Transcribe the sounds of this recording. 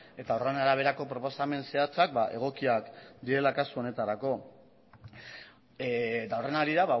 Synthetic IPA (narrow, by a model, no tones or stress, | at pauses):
e̞t̪aoranaɾaβ̞e̞ɾako̞pɾo̞po̞same̞nse̞at͡sak̚baʔe̞ɣ̞o̞kiakd̪iɾe̞lakasuo̞ne̞t̪aɾako̞ | d̪awre̞naɾiɾaβa